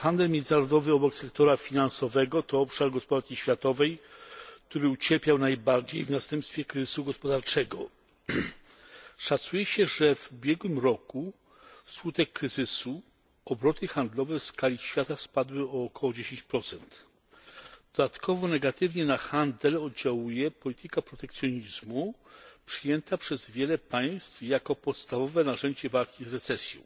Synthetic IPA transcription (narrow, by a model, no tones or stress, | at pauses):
xand̪ɛlmʲjɛnd̪ɘnaɾɔd̪ɔvɘɔbɔksɛkt̪ɔɾafʲinansɔvɛɡɔt̪ɔɔpʂaɾɡɔspɔd̪aɾkʲiɕfʲjat̪ɔvɛjk̚t̪uɾɘut͡ɕɛɾpʲjawnajbaɾd͡ʑejvnast̪ɛmpst̪fʲjɛkɾɘzɘ̥suɡɔspɔd̪aɾt͡ʂɛɡɔ | ʂat̪sujɛɕɛʐɛvubʲjɛɡwɘmɾɔku | skut̪ɛkːɾɘzɘsu | ɔbɾɔt̪ɘxand̪lɔvɛfskalʲiɕfʲjat̪aspad̪wɘɔːkʰɔwɔd͡ʑeɕẽɲt͡ɕpɾɔt̪sɛnt̪ | d̪̥ɔd̪at̪kʰɔvɔnɛɡat̪ɘvɲɛnaxand̪ɛlɔd̪d͡ʑawujɛpɔlʲit̪ɘkapɾɔt̪ɛkt̪sʲjɔɲizmupʂɘjɛnt̪apʂɛzvʲjɛlɛpaj̃st̪fjakɔpɔt̪st̪avɔvɛnaʐɛɲd͡ʑɛvalkʲizɾɛt̪sɛsʲjɔ̰̃w̃